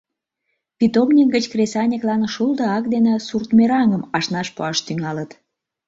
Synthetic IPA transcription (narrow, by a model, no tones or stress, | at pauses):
pʲit̪omnʲik̚ɡət͡ɕkresɑnʲiklɑnʃuld̪əɑkd̪enesurt̪meɾɑŋəmɑʃnɑʃpoɑʃt̪yŋɑlət̪